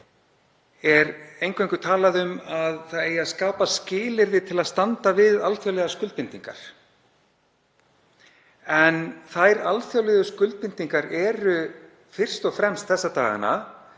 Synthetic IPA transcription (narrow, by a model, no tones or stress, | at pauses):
ɛɾejŋkʰvejŋkʏt̪ʰaːlaðʏmaðθaðejaðskaːpascɪːlɪɾðɪt̪ʰɪlaðst̪ant̪avɪðalθjawlɛðaskʏlt̪pɪnt̪iŋka̰ɾ̥ | ɛnθajɾalfjawlɛðʏskʏlt̪̚pɪnt̪iŋkaɾɛɾʏ | fɪr̥st̪ɔɣfɾɛmst̪θɛsːat̪aːɣa̰nːa̰